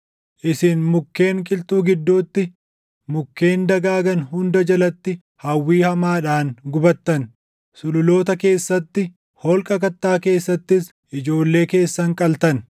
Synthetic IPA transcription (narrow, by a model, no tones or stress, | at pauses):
ʔɪsɪnmʊkːe̞ːŋkʼɪlt̪uːɡɪd̪ːuːt̪ːɪ | mʊkːe̞ːnd̪ɐɡaːɡɐnhʊnd̪ɐd͡ʒɐlɐt̪ːɪ | hɐwːiːhɐmaːᶑaːnɡʊbɐt̪ːɐn | sʊlʊlo̞ːt̪ɐke̞ːsːɐt̪ːɪ | hɔlkʼɐkɐt̪ːaːke̞ːsːɐt̪ːɪs | ʔɪd͡ʒo̞ːlːe̞ːke̞ːsːɐŋkʼɐlt̪ɐn